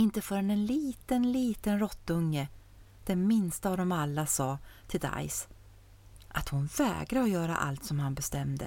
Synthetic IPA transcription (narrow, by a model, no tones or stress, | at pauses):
ɪnt̪əfœːɾɛnɛnliːt̪ənliːt̪ənɾɔt̪ːɵŋːə | d̪̥ɛnmɪnst̪aːvd̪ɔmalːasɑːt̪ʰɪld̪a̰js | ʔat̪hʊnvɛ̰ːɡɾaɔjœːɾa̰ʔa̰lt̪sɔmhanbɛst̪ɛmd̪ə̰